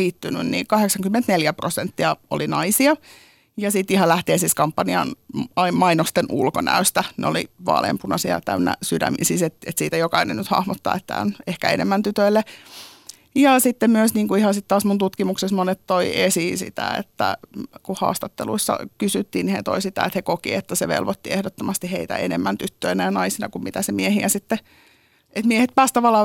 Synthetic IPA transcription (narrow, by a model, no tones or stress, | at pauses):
iːt̪ːyny̰nnḭːkɑheksɑŋkymːent̪neljæprosent̪ːiɑo̰linɑisiɑ | jɑsit̪ːihɑlæht̪iensiskɑmpːɑniɑ̰nɑimɑinost̪enʔṵlko̰næ̰øst̪ænḛo̰lḭʋɑ̰lḛmpunɑsiɑ̰t̪æynːæ̰sydæ̰mḭnsiːset̪et̪siːt̪æjokɑinḛnnyt̪hɑ̰hmot̪ːɑ̰ːet̪ːæ̰ːonehkæ̰enemːænt̪yt̪øilːe | jɑsit̪ːemmyøsniːŋkuihɑsit̪t̪ɑːsmunt̪ut̪kimuksesmonet̪t̪oiesisḭt̪æ̰ḛt̪ːæ̰kuhɑ̰ːst̪ɑt̪ːelṵisːɑ̰kysyt̪ːiːnihḛt̪oisit̪æet̪hekokḭet̪ːæseʋḛlʋot̪ːiehdot̪ːomɑst̪iheit̪æ̰ḛnemːænt̪yt̪ːøinæjɑnɑisinɑkummit̪æsemiehiæsit̪ːe | et̪miehet̪̚pæːst̪ɑʋɑlːɑː